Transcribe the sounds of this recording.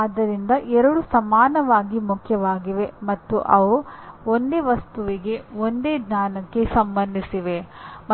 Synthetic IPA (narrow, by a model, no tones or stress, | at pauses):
aːd̪ɐɾind̪ɐʔɛɾɐɽusɐmaːnɐʋaːɡimukʰjɐʋaːɡiʋe̞mɐt̪ːṵʔɐʋuond̪e̞ːʋɐst̪uʋiɡe̞ond̪eːɡɲaːnɐkːe̞sɐmbɐnd̪ʱisiʋe̞m